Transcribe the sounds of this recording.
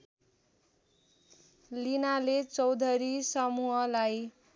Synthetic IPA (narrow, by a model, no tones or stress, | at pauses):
linalet͡sʌwd̪ʱʌɾisʌmuɦʌlaj